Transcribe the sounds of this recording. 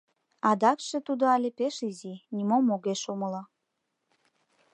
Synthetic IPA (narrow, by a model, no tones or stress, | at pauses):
ɑd̪ɑkʃet̪ud̪oɑlʲepeʃizinimomoɣeʃoməlɑ